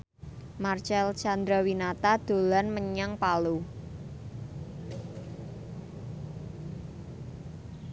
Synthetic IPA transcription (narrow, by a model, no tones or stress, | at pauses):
mart͡ʃɛlt͡ʃand̪ɾawinat̪ad̪̥o̤lanməɲaŋpalu